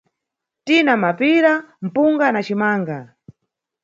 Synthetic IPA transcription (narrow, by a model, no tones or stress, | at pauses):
tinamapiɾam̩puŋɡanat͡ʃimaːŋɡa